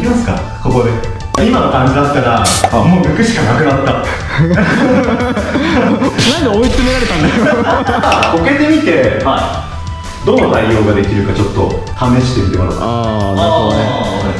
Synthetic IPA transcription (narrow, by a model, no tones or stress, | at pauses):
kʲimasɨ̥ka̰ | kokod̪e | imanokãɲ̟d͡ʑid̪asɨ̥kaɡamoːjokɯ̟ɕi̥kanakɯ̟nat̪ːa | aɲd̪eoit͡sɨmeɾaɾet̪ãnde | ko̞ke̞t̪e̞mʲit̪e̞hai | d̪o̞nod̪aiːo̞ːɡad̪e̞kʲiɾɯ̟kat͡ɕo̞t̪ːo̞̰h̪ame̞ɕi̥t̪emʲit̪emaɾ̰anaɾɯɦod̪one